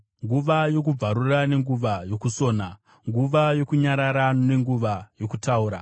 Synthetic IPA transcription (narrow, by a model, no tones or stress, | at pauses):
ŋɡuʋajo̞kub͡vaɾurane̞ŋɡuʋajo̞kuso̞ːna | ŋɡuʋajo̞kuɲaɾaɾane̞ŋɡuʋajo̞kutʰauːɾa̰